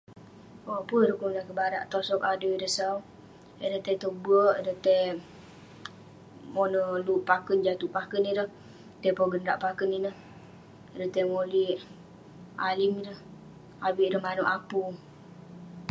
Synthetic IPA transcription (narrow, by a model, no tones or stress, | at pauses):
aʔpəɾəhkuŋnakəbaɾa̰ʔt̪osɔkadəidəsaw | ədət̪ɛt̪obəʔdət̪ɛ | monəluʔpakənd͡ʒat̪upakənidəh | t̪ɛpoɡənɾaʔpakəninəh | dət̪ɛmoliʔ | alimidəh | abiʔdəhmanuʔapu